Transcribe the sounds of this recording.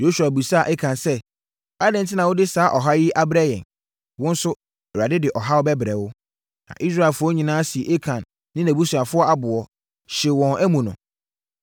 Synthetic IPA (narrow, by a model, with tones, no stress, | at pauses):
jo˦ɕu˨a˨bu˨sa˦˨ʔɛ˦kʰã˨nsɛ˦ | a˦dɪ̃˨n˨tʰɪ˦nã˨wʊ˦dɪ˦saː˨˦ʔɔ˨ɦa˦jɪ˦ʔa˦bɾa˦jɛ̰̃˨n | wʊ̃˦n̩˦sʊ˦ | ɛ˨ɾa˨dɪ˦dɪ˨ʔɔ˨ɦa˦ɔ˦bɛ˦bɾɛ˨wʊ˦ | nã̰˨ʔi˦s̬ɾa˦˨e˨fʊ˦ɔ˦ɲĩ˨nãː˦si˨ʔe˦kʰã˨nː | ɪ̃˦næ̃˨bu˦su˨a˨fʊ˦ɔ˦a˨bʊ˨ɔ˨ | ɕe˨wɔ̃˨næ˦mũ˨nʊ̰̃˨